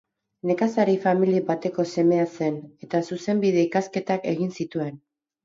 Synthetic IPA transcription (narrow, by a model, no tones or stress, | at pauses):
ne̞kasaɾifamilibat̪e̞ko̞se̞me̞ase̞ne̞t̪asuse̞mbiðe̞ikaske̞t̪ake̞̰ɣ̞insit̪ue̞n